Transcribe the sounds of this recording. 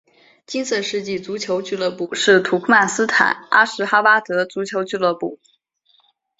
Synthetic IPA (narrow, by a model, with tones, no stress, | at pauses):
t͡ɕi˥nt͡sɤ˥˧ʂɻ̩˥˧t͡ɕi˥˩t͡su˧˥t͡ɕʰjo˧˥ʊt͡ɕy˥˧lɤ˥˧pu˥˩ʂɻ̩˥˩t̪ʰu˧˥kʰu˥ma˥˩sɹ̩˥t̪ʰa̰˨˩˦na̰˥ʂɻ̩˧˥xa˥pa˥t̪ɤ˧˥t͡su˧˥t͡ɕʰjo˧˥ʊt͡ɕy˥˧lɤ˥˧pu˥˩